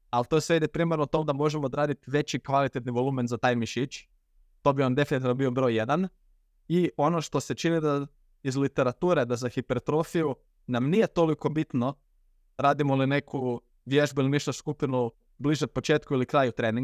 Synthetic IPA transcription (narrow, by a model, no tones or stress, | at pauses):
alt̪o̞sʋeid̪ipɾiːmeɾnot̪omd̪amo̞ʒemood̪ɾaːd̪it̪iʋe̞t͡ɕikʋalˠit̪et̪niʋo̞lˠument̪zat̪aːjmiʃit͡ʃ | t̪o̞bio̞nd̪e̞finit̪iːʋnobiobɾo̞jːed̪an | io̞no̞ʃt̪o̞se̞t͡ʃinid̪a | izlit̪e̞ɾat̪uːɾe̞d̪azaxipeɾt̪ɾo̞fiju | namnije̞t̪o̞liko̞bit̪no̞ | ɾaːd̪imoline̞kʰu | ʋjeʒbuiliniʃt̪oskupinu | bliʒet̪̚pot͡ʃeːt̪kuilikɾaːjut̪ɾeːniŋɡ